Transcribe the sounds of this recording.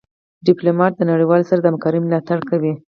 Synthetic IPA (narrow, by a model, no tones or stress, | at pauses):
ɖɪplomɑʈ̪̚d̪ənaɽiwɑlsaɾad̪əamkɑɾəjmlɑt̪aɽkawi